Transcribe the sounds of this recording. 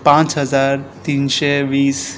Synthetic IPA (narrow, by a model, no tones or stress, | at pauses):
pãt͡ʃɦəzaːɾt̪iːnʃeʋiːs